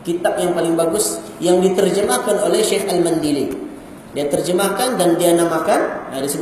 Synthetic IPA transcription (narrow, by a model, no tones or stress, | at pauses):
kit̪ap̚jaŋpalɪŋbaɡʊsjaŋdit̪ərd͡ʒəmakanolɛhʃɛxalmandili | diat̪ərd͡ʒəmakandandianamakanadisəb